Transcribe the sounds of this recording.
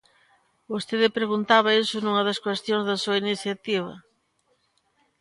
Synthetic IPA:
bost̪eðɪpɾeɣunt̪aβɐesʊnũŋɐðɐskwest̪joŋzðɐsuɐiniθjat̪iβ̞ɐ̰

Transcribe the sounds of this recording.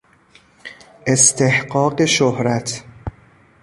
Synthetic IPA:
ʔest̪ʰehɢɒːɢeʃohɾæt̪ʰ

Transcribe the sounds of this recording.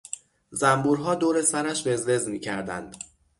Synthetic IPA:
zæmbuːɾɦɒːd̪oːɾesæɾæʃve̞ze̞zmiːcʰæɾd̪æ̰nd̪̥

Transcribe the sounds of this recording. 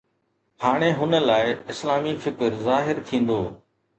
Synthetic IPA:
haːɽ̃eːɦʊnəlaːɪɪslaːmiːfɪkəɾzaːɦɪɾt̪ʰĩːnd̪oː

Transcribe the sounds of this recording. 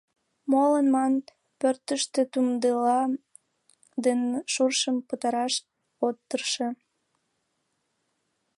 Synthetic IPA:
molənmɑn | pørt̪əʃt̪et̪umd̪əlɑ | d̪enʃurʃəmpət̪ɑɾɑʃ | ot̪ːərʃe

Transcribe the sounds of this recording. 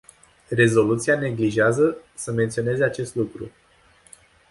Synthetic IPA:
re̞zo̞lut̪siane̞ɡliʒeazəsəme̞nt̪sio̞ne̞ze̞at͡ʃe̞st̪lukɾṵ

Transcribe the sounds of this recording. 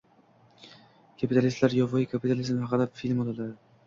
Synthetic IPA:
kʰapit̪ʰalʲist̪laɾjɒvɒjɪkʰapit̪ʰalizmhɑqɨd̪afilʲmolalad̪ɪ

